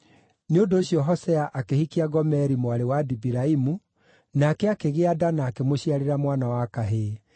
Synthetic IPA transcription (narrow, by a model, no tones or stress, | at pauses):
neondoːɕijɔɦɔsɛaʔakehikiaɡɔmɛɾimoaɾewadibiɾaimu | naːkɛakeɣeadanaːkemoɕiaɾeɾamwanawakaɦe